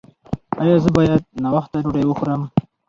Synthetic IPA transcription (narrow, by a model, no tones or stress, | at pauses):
ajɑzəbɑjad̪̚nawaxt̪aɾoɽajwəxuɾəm